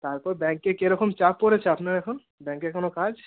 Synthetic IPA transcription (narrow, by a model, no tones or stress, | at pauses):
t̪aːɾpɔɾbɛ̃ŋkːekeɾəkʰomt͡ʃapːɔɾet͡ʃʰeɐpnaɾekʰon | bɛ̃ŋkːekonokad͡ʒ